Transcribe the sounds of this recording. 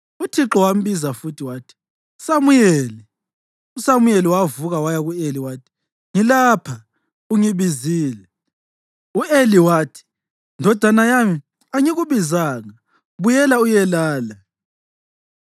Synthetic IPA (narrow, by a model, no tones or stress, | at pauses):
utʰiǁɔwam̩βizafutʰiwaːtʰi̥ | usamujɛːlɛ | usamujɛliwavuɣawajaɣueliwaːtʰi̥ | ŋilaːpʰa | uŋiβiziːlɛ | ueliwaːtʰi̥ | ndʱɔd̥ʱanajami | aŋiɣuβizaŋa | βujɛlaujɛlaːla